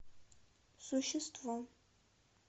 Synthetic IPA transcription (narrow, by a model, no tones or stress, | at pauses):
suʃɛstʰvɔ